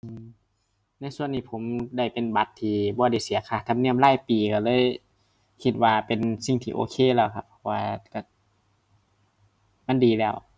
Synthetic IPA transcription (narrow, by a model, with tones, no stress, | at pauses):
ʔɯː˧˩m | na˧˥˨jsu˧˨ənːiː˧˩pʰo˨˦mda˧˩jpe˨nba˧˦t̪ʰːiː˧bɔː˧˦da˧˩jsi˨˦ɐkʰaː˧˩t̪ʰa˧mni˧˥˩əmlaː˧˩˨jpiː˨˩ka˧˩lɤː˧˥˨j | kʰi˧t̪̚waː˧pe˨nsi˧˩ŋt̪ʰiː˧ʔo̰ː˧˦kʰeː˧˨lɛː˧˩wkʰa˧pʰːɔ˧˩waː˧ka˧˩ | ma˧˥˨ndiː˨lɛː˧˩˨w